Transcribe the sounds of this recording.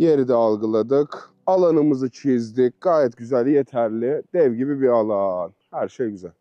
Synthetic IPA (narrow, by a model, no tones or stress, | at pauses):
jeɾid̪ɛalˠɡɯlˠad̪ɯk | alˠanɯmɯzɯt͡ʃʰizd̪ic̚ɡ̥aːjɛt̪ɟyzælʲjet̪ʰæɾlʲɪd̪̥ɛvɟibibialˠanhæɾʃejɟyzælʲ